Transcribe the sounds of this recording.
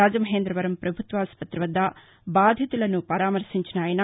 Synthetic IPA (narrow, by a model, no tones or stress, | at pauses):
aːd͡ʒɐmɐɦeːnd̪ɾɐʋɐɾɐmpɾɐbʱut̪ʋaːspɐt̪ːɾiʋɐd̪ːaː | baːd̪ʱjɐt̪ulɐnupɐɾaːmɐɾsiɲt͡ʃɐnaːjɐna